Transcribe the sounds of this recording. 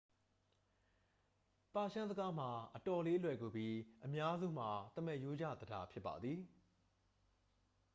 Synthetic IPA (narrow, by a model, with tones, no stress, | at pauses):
pa˨ʃã˦zə˦ɡa˦m̥a˨ʔətɔ˨le˦ʔəlwɛ˨ɡo˨bji˦ʔəmja˦zṵ˦˨m̥a˨t̪ə˦˨mɛ˦˨jo˦d͡ʑä̰˦˨d̪əda˦pʰjɪ˦pːa̰˨d̪ði˨